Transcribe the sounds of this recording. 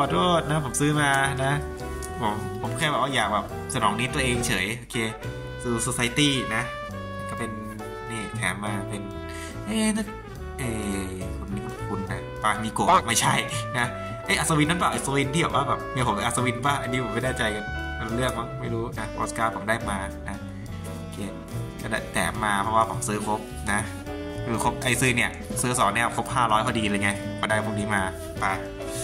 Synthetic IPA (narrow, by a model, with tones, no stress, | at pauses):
ɔː˧˩du˥˩ət̪̚na˧˦˥pʰo˩˦msɯː˦˥maː˧na˦˥ | pʰo˩˦mpʰo˩˦mkʰaː˧˩jbɛː˨˩waː˥˩jaː˨˩k̚bɛː˨˩p̚sa˧nɔː˩˦ŋniː˦˥t̪u˧əʔeː˧ŋt͡ɕʰɤː˩˦jʔoː˧kʰeː˧ | sɯː˧so˧sa˧jt̪iː˥˩na˦˥˩ | kɔ˥˩pe˧n | niː˧˩t̪ʰɛː˩˦mːaː˧pe˧n | ʔeː˧˩na˥˩ | ʔeː˧˩kʰo˧nːiː˧˥˩kʰu˧nːa˧˩paː˧˩kmiː˧koː˨˩ma˥˩jt͡ɕʰa˥˩jna˦˥ | ʔe˧˥˩ʔa˧˩sa˧wi˧na˧˥npaː˨˩ʔa˧˩sa˧wi˧nt̪ʰiː˥˩bɛː˨˩˦waː˥˩bɛː˨˩p̚ni˥˩˨pʰo˨˦˧ʔa˧sa˧wi˧nbaː˥˩ŋʔa˧niː˦˥pʰo˨˦ma˥˩daː˥˩t͡ɕa˧ja˨˩a˧lu˧lɯ˥˩ək̚ma˦˥ŋma˥˩jɾuː˦˥na˦˥ʔoː˦˥skaː˧˩pʰo˨˦mdaː˥˩jmaː˧na˦˥˩ | keː˧˩ | ka˧˩da˧˩t̪ɛ̰ː˨˩maː˧pʰɾɔ˧waː˥˩pʰo˩˦msɯː˦˥kʰo˦˥p̚ | na˦˥ | kɯː˧kʰo˦˥p̚ka˧jsɯː˦˧ni˥˩ə | sɯː˦˥sɔː˨˩˦ŋnɛ˥˩kʰo˦˥p̚haː˥˩ɾɔː˦˥jkʰɔː˥˩diː˧lɤː˧jŋa˧˩ma˧daː˥˩jpʰo˧˩niː˦˥maː˧ | pa˧